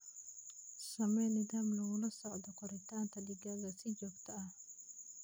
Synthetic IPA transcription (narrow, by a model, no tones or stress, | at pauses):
sɐmɛnɪd̪aːmlɔʊlɐsɔʕd̪ɔkɔɾɛt̪aːnt̪ʰɐdɪɡaɡasɪd͡ʒɔbt̪ʰɐɐ